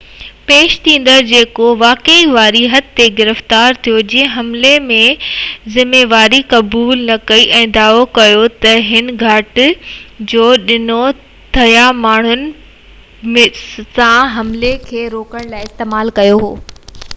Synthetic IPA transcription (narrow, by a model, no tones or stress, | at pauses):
peːʃt̪ʰĩːn̆d̪əɾd͡ʑeːkoʋaːkeiʋaːɾiɦɐt̪t̪eɡɪɾəft̪aːɾt̪ʰijod͡ʑĩẽɦɐmlemẽzɪmeːʋaːɾikɐbuːlnɐkɐiʔɛ̃ːd̪aːokɐjot̪ɐɦɪnɪ̆ɡʱɐʈɪ̆d͡ʑoːɗɪno | t̪ʰɐjamaːɳ̤ʊnɪ̆ | mesãɦɐmlekʰeːɾoːkəɽ̃laːiɪst̪eːmaːlkɐjoɦoː